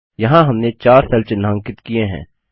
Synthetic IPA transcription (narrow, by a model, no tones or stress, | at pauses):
jɐɦãɦɐmnet͡ʃaːɾsɛlt͡ʃɪnãːŋkɪt̪kieɦɛ̰̃ː